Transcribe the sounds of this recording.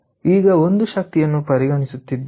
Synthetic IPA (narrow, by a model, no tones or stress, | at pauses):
iːɡɐo̞nd̪uʃɐk̚t̪ijɐnːupɐɾiɡɐɳisut̪ːid̪ː